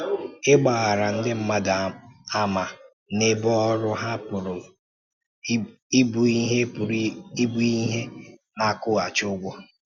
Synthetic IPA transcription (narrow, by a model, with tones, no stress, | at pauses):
ɪ˦ɡ͡ba˨ɣa˨ɾa˨n̩˦dɪ˦m̩˦ma˦da˨a˦ma˨ | ne˦bɔ˦ɔ˦ɾʊ˦ɦa˦pʊ˨ɾʊ˨ | i˦bu˨i˦ɦe˦pʊ˨ɾi˦i˦bu˨i˦ɦe˦na˨˦kʊ˦a˨t͡ʃʊ˦ɡʷɔ˦